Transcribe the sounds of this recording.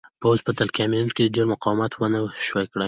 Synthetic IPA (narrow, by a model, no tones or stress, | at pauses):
pawzpət̪alkʲamijunkʲed̪ədeɾmʊqɑwmat̪ʰwənəwʃwakɽa